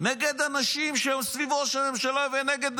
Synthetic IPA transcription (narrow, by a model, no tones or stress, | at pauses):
nɛɡed̪anaʃimʃeɛmsvivoʃɛnɛmʃelavenɛɡed̪